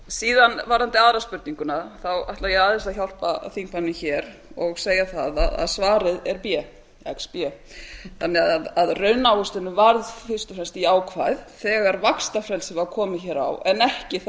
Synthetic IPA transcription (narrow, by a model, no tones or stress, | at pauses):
siːðanvaɾhant̪ɪaðɾaspʏɾt̪niŋkʏnaθawajht̪lvajɛɣaːðɪst̪aðçawl̥paθiŋkvanːɪçɛːɾ | ɔɣseːjaθaðaða̰ðsvaːɾɪðɛɾpjɛ | ɛkspjɛ | θanɛɣaaðaðrœɥnawʏst̪ɪnʏvaɾðfɪr̥st̪ʏ̥fɾɛmst̪iaːwkʰvaːjðθɛːɣaɾvakst̪afɾɛlsɪvakʰɔːmɪçɛːɾa̰wɛnɛhcɪ